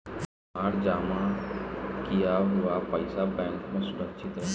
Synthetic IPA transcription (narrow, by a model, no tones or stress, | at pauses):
aːɾd͡ʒaːma | kijaɦʊʋapɐɪsabɛ̃ːŋkmẽsʊɾəkʃʰɪt̪ɦɛ